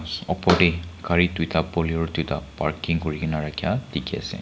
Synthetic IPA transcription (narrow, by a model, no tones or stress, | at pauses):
sɔpɔdekaɹitwitapɔliɔɹtita̰pa̰ɹkiŋkoɹikinaɹakʰija̰tikia̰sɛ̰